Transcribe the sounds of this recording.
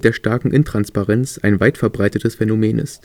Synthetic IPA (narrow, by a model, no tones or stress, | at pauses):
d̥eːɐʃtaɐkŋ̩ʔɪntʁ̥anspaʁɛnt͡sʔaɪnvaɪtfɛɐbʁaɪtətəsfɛnomeːnʔɪ̰st